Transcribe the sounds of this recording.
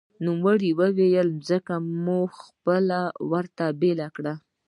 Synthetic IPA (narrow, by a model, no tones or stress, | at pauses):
numwəɽiwəwejəlmzəkamuxpəlawəɾt̪abelakɽa